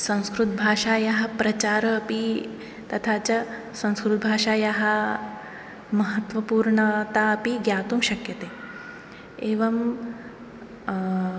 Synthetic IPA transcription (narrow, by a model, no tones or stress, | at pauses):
sɐ̃w̃skɾut̪̚bʱaːʂaːjɐɦɐ̆pɾɐt͡ɕaːɾɐːpi | t̪ɐt̪ʰaːt͡ɕɐ | sɐ̃w̃skɾut̪̚bʱaːʂaːjɐɦɐ | mɐɦɐt̪ʋɐpuːɾɳɐt̪aːɐpiɡjaːt̪uːmʃɐkjɐt̪eː | eːʋɐm